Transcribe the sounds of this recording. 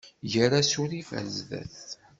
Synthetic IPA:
jəɾasuɾifæ̰nzðæ̰θ

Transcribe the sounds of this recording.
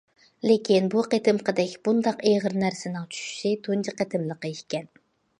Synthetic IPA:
lekʲʰinbuqet̪ʰɪmqʰəd̪ɛkʲb̥und̪ɑqeʁəɾnæɾsɪnɪŋt͡ʃʰy̥ʃy̥sɪt̪ʰunt͡ʃʰiqʰet̪ʰɪmlˠəqəiʃkʲɛn

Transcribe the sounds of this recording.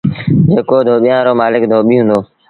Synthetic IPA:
d͡ʒeːkoːd̪ʱoːɓɪjãːɾoːmaːlɪkd̪ʱoːɓiːɦʊ̃nd̪oː

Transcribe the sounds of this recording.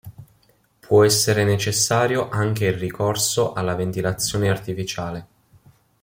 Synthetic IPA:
pʰwɔɛsːeɾenet͡ʃesːaːɾjoʔaŋk̟eilrikʰorsoʔalːavent̪ilat̪sːjoːneart̪ifit͡ʃaːle

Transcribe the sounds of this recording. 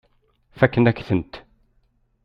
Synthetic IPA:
fækːənæçθənt̪

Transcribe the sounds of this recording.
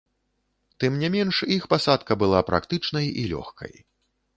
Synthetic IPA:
t̪ɨmnʲɛmʲɛnʂixpasat̪kɐbɨlˠapɾʔa̰kt̪ɨt͡ʂnɐjḭlʲɔ̰xkʰɐ̰j

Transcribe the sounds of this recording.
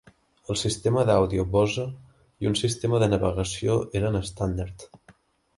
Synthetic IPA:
əlˠsist̪eməðawðioβɔzə | iunsist̪eməðənəβəɣəsioʔeɾənəst̪and̪aɾt̪

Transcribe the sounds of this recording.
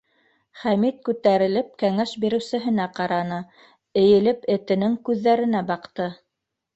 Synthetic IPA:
χæmit̪̚kʉt̪æɾɘ̆lɘp̚kæŋæʃbiɾɘ̆wsɘ̆ɦɘ̆næqɑɾɑnɤ | ɘ̆jɘ̆lɘpɘ̆t̪ɘ̆nɘŋkʉðːæɾɘ̆næbɑqt̪ɤ

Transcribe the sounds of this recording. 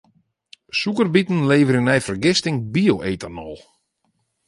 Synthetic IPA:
sukərbitn̩leːvəɾɪnɛjfərɡɪstɪŋbioʔeːtanɔlˠ

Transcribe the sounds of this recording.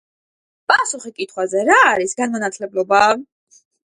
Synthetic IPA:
pʼasuχikʼit̪ʰχwazɛɾaːɾisɡanmɔnat̪ʰlɛblɔba

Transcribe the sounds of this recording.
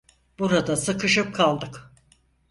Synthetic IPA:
b̥uɾad̪asɯkʰɯʃɯp̚kʰalˠd̪ɯk

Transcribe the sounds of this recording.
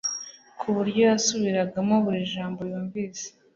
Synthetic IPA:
kʰuβuɾɟo̞jasuβiɾaɡamoβuɾiʒaːmbo̞juːɱviːse̥

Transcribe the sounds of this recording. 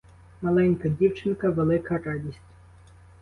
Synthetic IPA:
mɐlˠɛnʲkɐdʲiwt͡ʃɪnkɐʋelˠɪkɐɾɑdʲisʲtʲ

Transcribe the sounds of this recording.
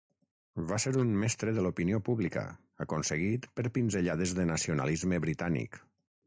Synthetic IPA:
βaseɾunmɛst̪ɾəðəlupiniopuβlikə̰ | əkonsəɣ̞it̪pəɾpinzəʎaðəzðənəsiunə̰lizməβɾit̪anḭk

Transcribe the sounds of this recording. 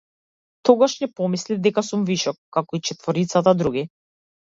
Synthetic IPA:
t̪ɔɡaʃɲɛpɔmislid̪ɛkasumviʃɔkːakɔit͡ʃɛt̪vɔɾit̪sat̪ad̪ɾuɡʲi

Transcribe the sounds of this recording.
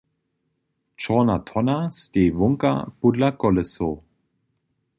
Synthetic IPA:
t͡ʃɔnat̪ʰɔnast̪eːvɔŋka̰pudlakɔləso

